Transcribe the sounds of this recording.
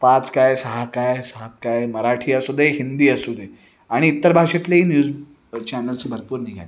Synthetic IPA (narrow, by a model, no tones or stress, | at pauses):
pat͡skajsəɦakajsəɦat̪̚kajməɾaʈʰiːəsud̪ʱeɦind̪iːəsud̪ʱe | aɽ̃iːt̪ːəɾbʱaʂet̪leiːnjuːd͡z | t͡ɕanəlt͡sbʱəɾpuːɾniɡʱa̰li